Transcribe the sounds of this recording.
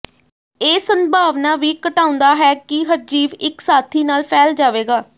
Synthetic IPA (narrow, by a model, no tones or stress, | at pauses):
eːsəmbʱaːʋnaːʋiːkəʈãːʊ̃nd̪aːɦɛːkɪɦəɾd͡ʒiːʋɪksaːt̪ʰiːnaːlpʰɛːld͡ʒaːʋeːɡaː